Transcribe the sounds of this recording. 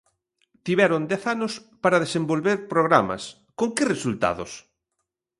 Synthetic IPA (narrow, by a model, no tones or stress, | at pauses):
t̪iβɛɾʊnd̪ɛθanʊspaɾɐðesembolβeɾpɾoɣɾamɐ̰s | koŋkɪresult̪a̰ðo̰s